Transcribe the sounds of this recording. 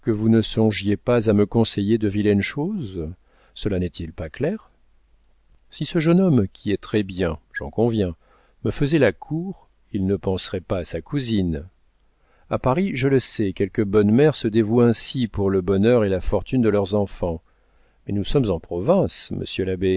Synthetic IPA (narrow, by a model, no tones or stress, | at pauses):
kəvunəsɔ̃ʒjepazaməkɔ̃sejed̪əvilɛnʃoz | səlanɛt̪ʰilpaklɛʁ | sisəʒənɔmkʲʰiɛt̪χɛbjɛ̃ʒ̥ɑ̰̃kɔ̃vjɛ̃ | məfəzɛlakʰuʁ | ilnəpɑ̃sʁɛpaːsakuzin | apaʁiʒələsɛkʲɛlkəbɔnmɛʁsəd̪evuɛ̃sipuʁləbɔnœʁelafɔʁt̪ynd̪əlœʁzɑ̃fɑ̃ | mɛnusɔmzɑ̃pχɔvɛ̃smə̰sjølabe